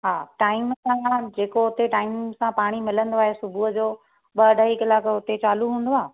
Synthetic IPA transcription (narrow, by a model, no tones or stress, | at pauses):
ɦaːʈaːɪmsãd͡ʑeːkoɦʊt̪eʈaːɪmsãpaːɽ̃imɪlə̃nd̪oaːɦesʊbʱuɦəd͡ʑoː | ɓɐəɖʱəɦikɐlaːkɦʊt̪et͡ɕaːluɦũːn̆d̪oaː